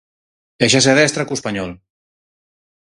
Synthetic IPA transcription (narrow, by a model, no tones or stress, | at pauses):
eʃas̬eaðɛst̪ɾakuspaɲɔl